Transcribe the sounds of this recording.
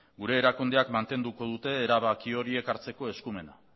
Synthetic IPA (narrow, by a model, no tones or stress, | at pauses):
ɡuɾe̞ːɾakund̪e̞akmant̪e̞nd̪uko̞ð̞ut̪e̞ːɾaβakio̞ɾie̞kaɾt͡se̞ko̞e̞skume̞na